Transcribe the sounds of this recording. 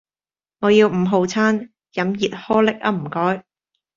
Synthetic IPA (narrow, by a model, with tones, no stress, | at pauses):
ŋɔː˨˧jiː˧wm̩˨˩ɦo˨˧wt͡sʰaː˥n | jɐ˨˥mjiː˨t̚hɔː˥lɪ˥k̚ɐ̰˥m̩˨˩kɔː˥j